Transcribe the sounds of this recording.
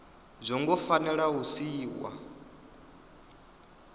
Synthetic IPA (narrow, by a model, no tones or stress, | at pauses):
zʷɔŋɡɔfanɛɺausiːwa̰